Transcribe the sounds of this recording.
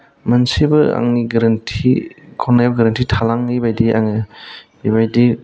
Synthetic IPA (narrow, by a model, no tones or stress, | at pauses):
mɐnsibɯa̰ŋiɡɐɾɐntʰikʰɔnajbɯɡɐɾɐntʰitʰalaŋibajdiʔa̰ŋɯ | ibajdi